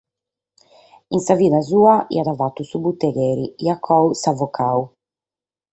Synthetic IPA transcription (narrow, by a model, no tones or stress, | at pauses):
insaviːnazuːaʔḭad̪avat̪ːusubut̪ːɛɡɛːɾiiakʰːɔusavɔkʰaːu